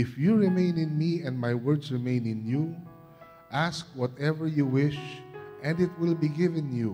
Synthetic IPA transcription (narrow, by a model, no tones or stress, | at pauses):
ɪfjuɹɪmẽɪ̃nɪ̃nmiɛ̃nd̚majwɜɹdsɹɪmẽɪ̃nɪ̃nju | ʔaskwɔt̪ɛvəɹjuwɪʃʔɛ̃ndɪt̪̚wɪlbiɡɪvɛ̃nju